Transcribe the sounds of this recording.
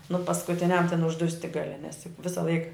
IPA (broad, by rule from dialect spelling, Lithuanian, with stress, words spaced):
nʊ pɐskʊˈtʲɪnʲɛm tʲɛn ʊʒˈdʊsʲtʲɪ ɡɐˈlʲɪ nʲɛs jʊk ˈʋʲɪsɐ ˈlˠɐɪk